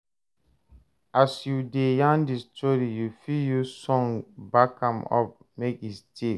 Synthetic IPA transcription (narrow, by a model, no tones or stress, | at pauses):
ʔasjudejãndistʰɔɾijufiljusɔ̃ŋbakãmɔ̰p̚ | mekistʰe